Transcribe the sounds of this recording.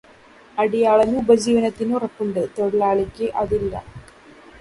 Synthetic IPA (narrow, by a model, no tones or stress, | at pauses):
ɐɽijaːɭɐnuubɐd͡ʑiːʋɐnɐt̪ːinurɐpːuɳɖɨt̪oɽilaːɭikʲːɨʔɐðilːɐ̰